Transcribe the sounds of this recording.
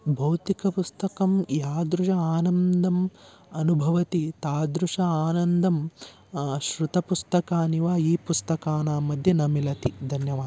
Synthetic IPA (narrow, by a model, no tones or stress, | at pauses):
bʱɐwt̪ikɐpust̪ɐkɐmjaːd̪ɾud͡ʒɐaːnɐnd̪ʱɐm | ɐnubʱɐʋɐt̪it̪aːd̪ɾuʂɐaːnɐnd̪ʱɐm | ʃɾut̪ɐpust̪ɐkaːniʋaːiːpust̪ɐkaːnaːmɐd̪ʱjɐnɐmilɐt̪id̪ʱɐnjɐʋaːd̪